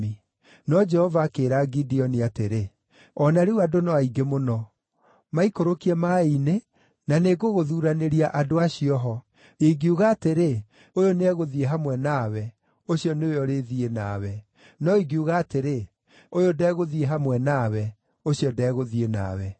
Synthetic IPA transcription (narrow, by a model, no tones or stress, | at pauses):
i | nɔd͡ʒɛhɔvaːkeɾaɡidiɔniateɾe | ɔnaɾeuwadonɔaiɡemonɔ | maikoɾokiɛmaine | naneɡoɣoðuːɾaneɾiaʔadoaɕiɔɦɔ | eɡiuɣaːteɾe | ojoneɛɣoðieɦamwɛnawɛ | oɕiɔneojɔɾeðienaːwɛ | nɔiɡiuɣaːteɾe | ojodɛɣoðieɦamwɛnawɛ | oɕiɔdɛːɣoðiena̰wɛ